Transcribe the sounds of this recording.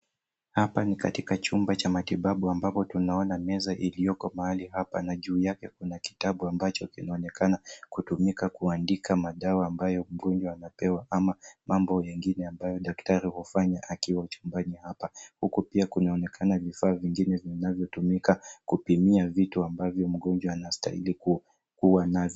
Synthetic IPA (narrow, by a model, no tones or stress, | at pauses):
hapanika̰tikat͡ʃumbat͡ʃamatiɓaɓuambapɔtunaɔnamɛzaʔilijɔkɔmahaliɦapa̰naʄuːjakɛkunaki̥taɓuambat͡ʃɔkinaɔnɛkanakutumikakuandikʰamaɗawaːmbajɔm̩ɡɔnd͡ʒwaanapɛwaʔamamambɔjɛŋɡinɛambajɔɗaktaɾihɔfaɲaʔakiwaut͡ʃumbanihapahukupiakunaɔnɛkʰanavifaːviŋɡinɛvinavjɔtumikakupimiavituambavjɔm̩ɠɔnd͡ʒwaːnasta̰hḭliku | kuwanavj